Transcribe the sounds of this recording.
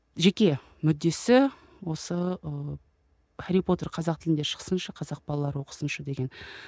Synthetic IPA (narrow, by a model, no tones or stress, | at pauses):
ʒe̞kʲe̞ | mʏd̪ːe̞sɪ | wo̞səə | aɾipo̞t̪e̞ɾqʰɑzɑq̚t̪ʰɪlɪnd̪eʃə̥ʁə̥sənʃəqʰɑzɑq̚bɑlˠɑlˠɑɾəwoqə̥sənʃəd̪e̞ɡʲe̞n